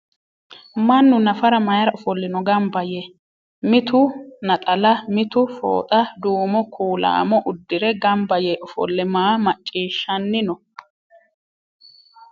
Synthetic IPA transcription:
mɐnːʊnɐfɐɾɐmɐjɐɾɐʊfɔlːɪnɔɡɐmbɐjɛ | mɪt̪ʊnɐt̪ʼɐlɐmɪt̪ʊfo̰ːt̪ʼɐd̪uːmɔkʰuːla̰ːmɔʔʊd̪ːɪɾɛɡɐmbɐjɛʔʊfɔ̰lːɛmaːmɐt͡ʃʼːiːʃːɐnːɪnɔ

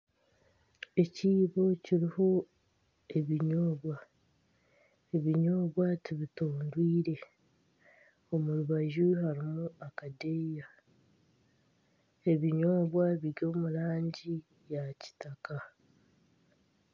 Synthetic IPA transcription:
e̞ciːβo̞ciɾiho̞ | e̞βiɲoːβwa | eβiɲo̞ːβwatiβitoːndwiːɾe̞ | o̞muɾuβaʒiɦaɾimuakadeja | e̞βiɲo̞ːβwaβiɡo̞ːmuɾaːɲɟi | jaci̥taka

